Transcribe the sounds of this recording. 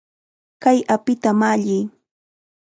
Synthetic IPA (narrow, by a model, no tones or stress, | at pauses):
kajapɪt̪amaʎɪː